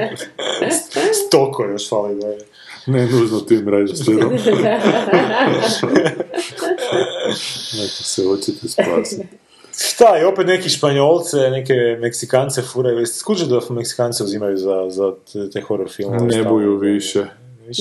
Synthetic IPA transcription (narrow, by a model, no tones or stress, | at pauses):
st̪okʰojoʃfalid̪aje | nenuʒnot̪imɾad͡ʒiseomd | net̪osɛot͡ʃet̪ɛspa̰sit | t̪aiopet̪nekiʃpaɲolˠt̪senekemeksikant̪sefuɾajuesskut͡ʃod̪ameksi̥kant̪seuzimajuzaza | t̪ajxoɾoɾfilˠmnebujuʋiʃɛ | iʃ